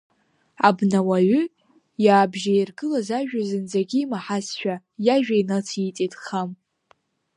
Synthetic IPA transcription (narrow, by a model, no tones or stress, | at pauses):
abnawaʕʷʏ | jaːbʒajirɡɨlazaʒᶣazɨnd͡zaɡʲimaħasʃʷᶣa | jaʒᶣainat͡sʰit͡sʼetʼχam